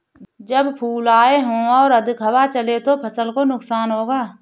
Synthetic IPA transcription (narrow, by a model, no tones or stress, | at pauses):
d͡ʒəbpʰuːlaːeɦõːɔːɾəd̪ʱɪkɦəwat͡ʃəlet̪opʰəsəlkonʊksaːnɦoːɡaː